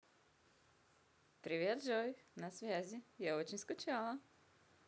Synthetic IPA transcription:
pɾʲɪvʲe̞d̪ʐojʲnɐsvʲæzʲɪjaot͡ɕɪnʲskʊt͡ɕalˠə

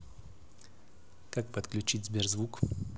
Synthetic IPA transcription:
kak̚pət̪klʲʉt͡ɕitʲzʲbʲerzvuk

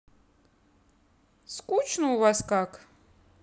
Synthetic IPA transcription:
skʼut͡ʃʰnəuvaskak

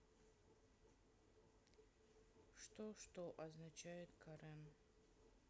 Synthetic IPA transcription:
ʂt̪oʂt̪oʔɐznat͡ʃajɪt̪kʰɐɾam

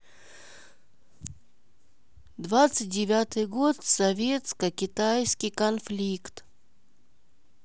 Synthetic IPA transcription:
d̪vat̪sɨt̚ʲdʲɪvʲat̪ɨjɡo̞t̪sɐvʲet̪skəkʲɪt̪ajskʲijkɐnflʲikt̪

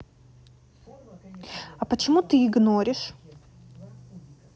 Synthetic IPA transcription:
ɐpət͡ɕɪmut̪ɨɪɡnoɾʲɪʂ

